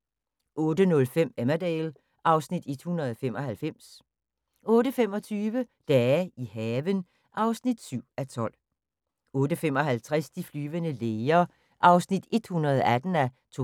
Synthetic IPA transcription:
ʔɔ̽ːd̥ənɔ̽lfem̰emæd̥ɛːl | ʔɑ̈ʊsnid̥e̝d̥hunɐðˠɒfem̰ɒ̽hælfem̰s | ɔ̽ːdəfem̰ɒ̽t͡sʰyːʋəd̥ɛːihɛːʋən | ʔɑ̈ʊsnid̥syʊ̰æt͡sʰɒ̽l̰ | ɔ̽ːd̥əfem̰ɒ̽ɦælt͡sʰʁɛsd̥iflyːʋənəleːɐ | ʔɑ̈ʊsnid̥e̝d̥hunɐð̞ˠæd̥n̩æt͡sʰo

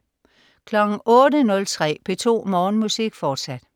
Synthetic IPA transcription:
kʰlɒɡ̥ŋ̩ʔɔ̽ːdənɔ̽lt͡sʰʁɛ̰ːpʰe̝t͡sʰo̝̰ːmɒːnmusiɡ̥fɒːd̥sæd̥

